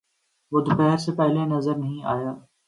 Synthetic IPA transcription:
bʊd̪ʱpɛɦəɾsepɛɦlenɐzəɾnɐɦĩa̰ːjaː

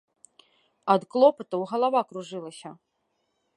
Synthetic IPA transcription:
ɐd̪klˠɔpɐt̪ɐwɣɐlˠavakɾuʐɨlˠɐsʲɐ

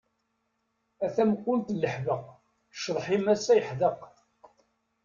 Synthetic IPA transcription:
æθæmkːʊnt̪lːəħvəq | ʃðˤħimæsːæjəħðəq

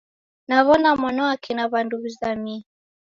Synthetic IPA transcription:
naβɔnamɔnɔakʰinaβanduβizami

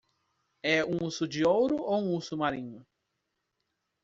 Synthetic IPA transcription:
ɛũusʊd͡ʒɪowɾʊowũusʊmaɾĩɲʊ

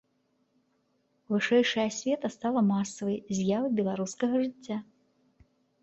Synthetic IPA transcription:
vɨʂɛjʂɐjɐsʲvʲɛt̪ɐst̪alˠɐmasɐvɐjzʲjavɐjbʲɛlˠaɾuskɐɣɐʐɨt͡sʲːa

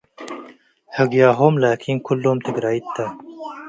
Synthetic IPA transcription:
hɐɡjaːɦoːmlaːkʰinkʰulːoːmt̪ʰeɡɾaːit̪ʰːa

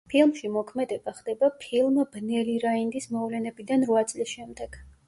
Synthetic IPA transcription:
pʰilˠmʃimɔkʰmɛd̪ɛbaχd̪̥ɛbapʰilˠmbnɛliɾaind̪ismɔvlɛnɛbid̪anɾvat̪sʼlisʃɛmd̪ɛɡ̥

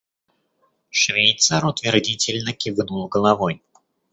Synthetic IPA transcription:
ʂvʲejt̪saɾʊt̪vʲɪrdʲitʲɪlʲnəkʲɪvɨnulˠɡəlˠavoj

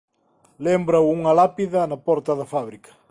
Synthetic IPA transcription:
lembɾawuŋɐlapiðɐnɐpɔɾt̪ɐðɐfaβɾikɐ̥

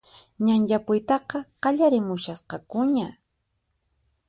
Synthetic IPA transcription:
ɲanʎapʊjt̪ɑqɑqɑʎaɾɪmʊʃasqɑkʊɲa

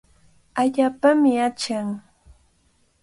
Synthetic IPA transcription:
aʎaːpamɪat͡ʃaŋ

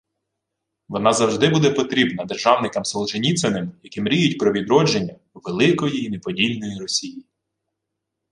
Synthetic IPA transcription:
ʋɔnɑzɐwʒd̪ɪbud̪ɛpɔt̪ɾʲibnɐd̪erʒɑwnɪkɐmsɔlˠt͡ʃenʲit̪sɛnɪmjɐkimɾʲijʊt̚ʲpɾɔʋʲid̪ɾɔd͡ʒenʲːɐ | uʋelˠɪkɔjiːnepɔdʲilʲnɔjiɾɔsʲiji

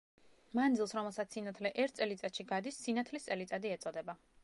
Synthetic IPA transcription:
mand̪zilˠsɾɔmɛlˠsat̪ssinat̪ʰlɛʔɛɾt̪ʰt̪sʼɛlit̪sʼat̪ʃiɡad̪isːinat̪ʰlist̪sʼɛlit̪sʼad̪iɛt̪sʼɔd̪ɛba

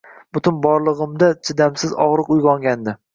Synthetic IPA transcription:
b̥ʊt̪ʰʊnbɒɾlˠɨʁɨmd̪at͡ʃʰɪd̪amsɪzɒʁɾɨqʊjʁɒŋɡʲand̪ɪ

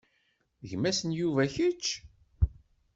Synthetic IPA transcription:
ʝmæsənjuvæçət͡ʃː

